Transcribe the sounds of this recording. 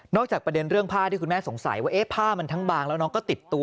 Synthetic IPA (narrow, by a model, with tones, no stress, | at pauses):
nɔː˥˩k̚t͡ɕaː˨˩k̚pɾa˧de˧nɾɯ˥˩əŋpʰaː˥˩t̪ʰiː˥˩ku˧nmɛ˥˩so˩˦ŋsa̰˨˩˦jwaː˥˩ʔeː˦˥pʰaː˥˩ma˧nt̪ʰa˦˥ŋbaː˧ŋlɛː˦˥wnɔː˦˥ŋkɔː˥˩t̪i˨˩t̪ːu˧